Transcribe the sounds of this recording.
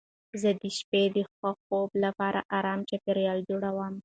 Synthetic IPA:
zəd̪əʃped̪əxaxoblapɑɾʔa̰ʔɑɾɑmt͡ʃapeɾjɑld͡ʒoɽawəm

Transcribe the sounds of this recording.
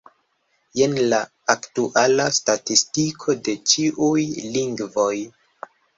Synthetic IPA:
jenlaː | ktuʔalastatistikʰo̞de̞t͡ʃiʔujliŋɡvo̞j

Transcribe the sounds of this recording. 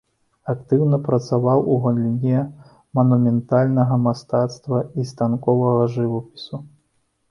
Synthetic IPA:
akt̪ɨwnɐpɾɐt̪savawuɣɐnlʲinʲɛ | mɐnumʲɛnt̪alʲnɐɣɐmast̪at̪st̪vɐist̪ankɔvɐɣɐʐɨvɐpʲi̥su

